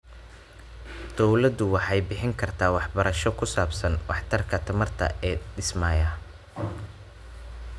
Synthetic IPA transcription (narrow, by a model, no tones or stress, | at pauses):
d̪̥ɔwlɐd̪ʊwɑħɑjbɪħɪŋkʰɐrt̪ʰaːwɑħbɐɾɐʃɔkʰʊsaːbsɐnwɑħt̪ʰɐrkʰɐt̪ʰɐmɐrt̪ʰɐ̰ʔɛːɖɪsmaːjɐ